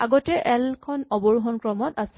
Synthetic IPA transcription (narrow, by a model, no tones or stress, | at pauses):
aɡɔtɛʔɛlkʰɔnɔbɔɹɦɔnkɹɔmɔtasɛ̥